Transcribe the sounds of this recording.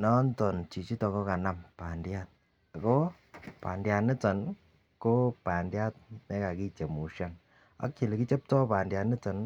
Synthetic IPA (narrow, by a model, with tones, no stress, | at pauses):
nɔ˦ntɔ˨nt͡ʃi˨t͡ʃi˦tɔ˨ŋɡo˦ka˨na˦mpa˨ndja˦t̚ | a˨ko˦ | pa̰˨ndja˨ni˦t͡sɔ˨n | ko˦pa˨ndja˦t̚me˦ka˨ki˦t͡ʃe˨mu˨ʃa˦n | a̰˦kt͡ʃi˨le˨ki˦t͡ʃe˦p̚tɔ˦pa˨ndja˨ni˦t͡sɔ˨n